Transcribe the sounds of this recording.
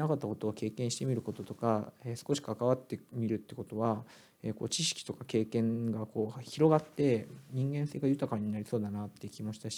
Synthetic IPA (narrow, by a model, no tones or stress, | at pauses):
nakat̪ːako̞t̪o̞ːke̞ːkẽɕi̥t̪e̞mʲiɾɯ̟ko̞t̪o̞t̪o̞kaeːsɨ̥ko̞ɕi̥kakaβat̪ːe̞mʲiɾɯ̟t̪ːeko̞t̪o̞βa | eːko̞̰ːt͡ɕiɕi̥kʲi̥t̪o̞kake̞ːkẽ̞ŋɡako̞ːçiɾo̞ɡat̪ːe̞ɲ̟ĩŋɡẽ̞ɰ̃se̞ːɡajɯ̟t̪akaɲ̟ːinaɾʲiso̞ːd̪anat̪ːe̞jɯ̟kʲimo̞ɕi̥t̪aɕi̥